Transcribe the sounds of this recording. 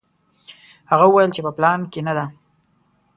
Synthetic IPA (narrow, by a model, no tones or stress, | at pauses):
haɣaəwajəlt͡ʃepəplɑnkenad̪a